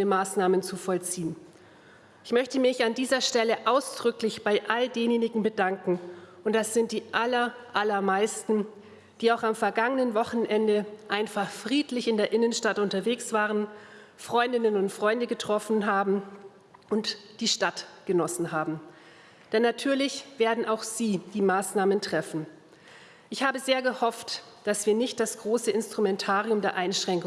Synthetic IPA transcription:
iəmaːsnaːmənt͡sufɔlt͡siːən | ʔɪçmœçtəmɪçandiːzɐʃtɛləʔaʊsd̥ʁʏklɪçb̥aɪʔaldeːnjeːnɪɡŋ̩bədaŋkŋ̩ʔʊntd̥asz̥ɪnt̚d̥iːʔalɐʔalɐmaɪstn̩ | d̥iːaʊxamfɛɐɡaŋənənvɔχn̩ʔɛndəʔaɪnfaχfʁ̥iːtlɪçɪndeːɐʔɪnənʃtatʔʊntɐveːksv̥aːʁ̞ənfʁ̥ɔʏndɪnənʊntfʁ̥ɔʏndəɡətʁ̥ɔfn̩ɦaːbm̩ | ʔʊntd̥iːʃtatɡ̥ənɔsn̩ɦaːbm̩ | d̥ɛnːatʰyːɐlɪçv̥eːɐdn̩ʔaʊxz̥iːd̥iːmaːsnaːməntʁ̥ɛfn̩ | ʔɪçhaːbəzeːɐɡəhɔft | d̥asv̥iːɐnɪçt̚d̥asɡ̥ʁoːsəɪnstʁ̥umɛntʰaːʁiʊmdeːɐʔaɪnʃʁ̥ɛŋkʊ

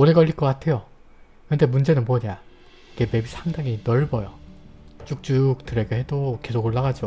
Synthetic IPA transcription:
oɾe̞ɡʌʎːiɭkʌk͈atʰe̞jo | kɯnde̞mund͡ʑe̞nɯnpoɲa | iɡe̞me̞bisʰaŋdaŋinʌɭbʌjo | t͡ɕ͈uk̚t͡ɕ͈uk̚t͈ɯɾe̞ɡeɦe̞doke̞sʰoɡoɭːaɡad͡ʑo

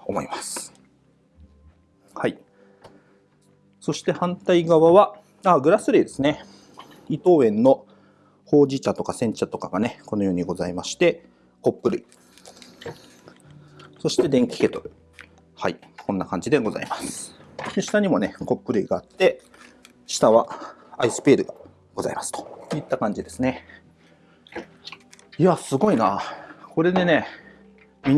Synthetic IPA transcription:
o̞mo̞̰ḭmasɨ̥ | hai | so̞ɕi̥t̪e̞hãnt̪aiɡaβaβa | aːɡɯ̟ɾasɨɾʲid̪e̞sɨne | it̪o̞ːẽ̞nːo̞ | ho̞ːʑit͡ɕat̪o̞kasẽ̞ɲ̟t͡ɕat̪o̞kaɡane̞ko̞nojo̞ːɲ̟iɡo̞zaimaɕi̥t̪e̞ | ko̞pːɯ̟ɾɯ̟̰i | so̞ɕi̥t̪e̞d̪ẽ̞ŋkʲi̥ke̞t̪o̞ɾɯ | hai | ko̞nːakãɲ̟d͡ʑid̪e̞ɡo̞za̰imasɨ̥d̪eɕi̥t̪aɲ̟imo̞ne̞ko̞pːɯ̟ɾɯ̟iɡaːt̪ːe̞ | ɕi̥t̪aβaaisɨ̥pe̞ːɾɯ̟ɡa | ɡ̥o̞za̰imasɨ̥t̪o̥it̪ːakãɲ̟d͡ʑid̪e̞sɨne̞ | iasɨɡo̞inako̞ɾe̞d̪e̞ne̞ | mʲi

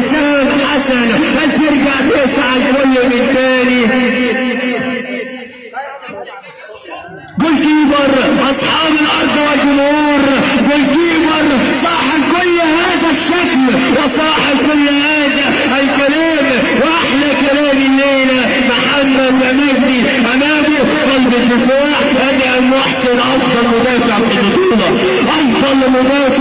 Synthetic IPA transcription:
saːnħasanʔalt̪ɪɾɡaʕt̪eːsaʕalkʊlːmɪnt̪aːni | ɡʊlkiːbɑɾˤʔɑsˤħɑːbalʔɑɾˤd̪ˤwald͡ʒʊmhuːɾˤwɪlkiːbɑɾˤsˤɑːħalkʊlːhaːðaʃːakl | wɪsˤɑːħalkʊlːhaːd͡ʒa | ʔalkaɾiːm | wʔaħlakaɾaːmɪleːna | maħamːalːamɪhni | ʔamabi | walbɪt̪ːɪfaːʕ | ʔanːʔanwaħsɪnʔɑfd̪ˤɑlmʊd̪aːfɪʕfɪmɪt̪uːlɑ | ʔɑfd̪ˤɑlːmʊd̪aːf

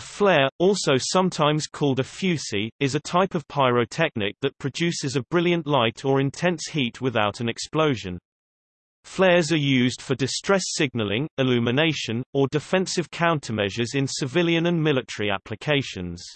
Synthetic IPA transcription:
flɛːɹɔˑlˠsoʊsʌ̃mtʰãɪ̃mz̥kʰɔːlˠdəfjʉˑsiɪzətʰaɪpəv̥pʰaɪɹəʊtʰɛk̚nɪk̚ðəʔ̚pʰɹ̥əd͡ʒʉˑsɪzəbɹɪljə̃nʔlaɪtʰəɹɪ̃ntʰɛ̃nshiˑtwɪðaʊtə̃nɛkspləʊʒə̃n | flɛːzəjʉːzd̥fədɪstɹ̥ɛsɪɡ̚nəlɪ̃ŋɪlʉːmɪneɪʃə̃nədɪfɛ̃nsɪv̥kʰãʊ̃ntʰəmɛʒəzɪ̃nsɪvɪljə̃nə̃nmɪlɪtəɹia̰pʰlɪkʰeɪʃə̰̃nz̥

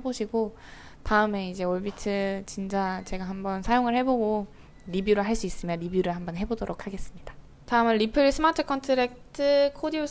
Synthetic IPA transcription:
eboɕʰiɡo | taɯme̞id͡ʑe̞oɭbitʰɯt͡ɕind͡ʑat͡ɕe̞ɡaɦambʌnsʰajoŋɯɭhe̞boɡo | ɾibjuɾɯɭɦaɭs͈uis͈ɯmjʌnɾibjuɾɯɭhambʌnɦe̞bodoɾokʰaɡe̞s͈ɯmɲida | taɯmɯnɾipʰɯɭsʰɯmatʰɯkʰʌntʰɯɾek̚tʰɯkʰodio

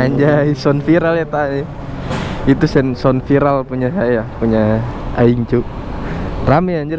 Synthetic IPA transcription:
aɲd͡ʒaisɔnfiɾaljat̪aɲi | it̪usɛnsɔnfiɾalpuɲasajapuɲaaiŋt͡ʃu | ramiaɲd͡ʒuɾ

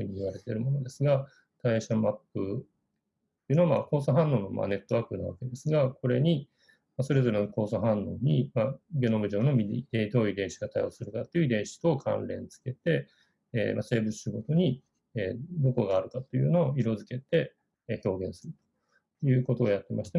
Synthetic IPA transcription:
ɯ̟ɲ̟iiβaɾe̞t̪e̞ɾɯ̟mo̞no̞d̪e̞sɨɡa | k̪aiɕamapːɯ | t̪ojiɯ̟noama̰ko̞ːsoɦãnːo̞ːnːo̞mʔa̰ne̞t̪ːo̞βaːkɯ̟naβa̰ke̞d̪e̞sɨɡako̞ɾe̞ɲ̟i | maso̞ɾe̞zo̞ɾe̞noko̞ːsoɦãnːo̞ːɲ̟imaɡʲe̞no̞mɯ̟ʑo̞ːno̞mʲied̪o̞ːid̪ẽ̞ɰ̃ɕi̥ɡat̪ajo̞̰ːsɨɾɯ̟kat̪ːeiɯid̪ẽ̞ɰ̃ɕi̥t̪oːkʰã̰nɾẽ̞̰nt͡sɨ̥ke̞t̪e̞ː | ma̰se̞ːbɯt͡sɨ̥ɕiɡo̞t̪o̞ɲ̟i | ed̪o̞ko̞ɡaːɾɯ̟kat̪ːojɯ̟no̞ːiɾo̞zɨke̞t̪e̞ | ço̞ːɡẽ̞ɰ̃sɨɾɯ̟t̪o̥ | jɯ̟ːko̞t̪o̞ːjat̪ːe̞maɕi̥t̪e

